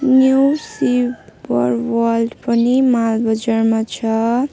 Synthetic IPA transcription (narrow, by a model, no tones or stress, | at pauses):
njusibʌɾwʌlɖpʌnimalbʌd͡zarmat͡ʃʰʌ